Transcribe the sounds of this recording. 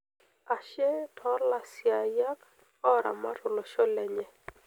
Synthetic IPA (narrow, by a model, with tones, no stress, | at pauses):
a˨ʃɛ˦tʰɔ˦la˦sja˨ja˦k | ɔ˦ɾa̰˨ma̰˦ɾʊ˨lɔ˨ʃɔ˦lɛ˨ɲɛ˨